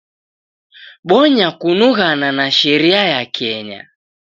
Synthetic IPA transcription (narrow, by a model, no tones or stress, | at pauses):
ɓɔɲakunuɣananaʃɛɾiajakʰɛɲa̰